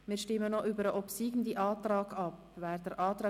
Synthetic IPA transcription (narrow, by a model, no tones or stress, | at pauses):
miːɾʃtɪmːənɔʔybəɾəʔɔpsiːɡn̩diʔɑːt̪ɾɑːɡɑp | vɛːɾdəɾʔɑːt̪ɾɑː